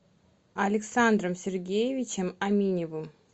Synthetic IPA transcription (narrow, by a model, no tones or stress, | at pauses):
ɐlʲɪksand̪rəmsʲerɡʲejevʲit͡ʃʰemamʲinʲevɨm